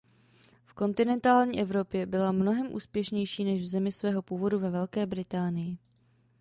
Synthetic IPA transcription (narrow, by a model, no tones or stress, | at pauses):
fko̞nt̪ɪnɛnt̪aːlɲiːʔɛvɾo̞pjɛbɪlamno̞ɦɛmʔṵːspjɛʃɲɛjʃiːnɛʒvzɛmɪsvɛːɦo̞puːvo̞duvɛvɛlkɛːbɾɪt̪aːnɪjɪ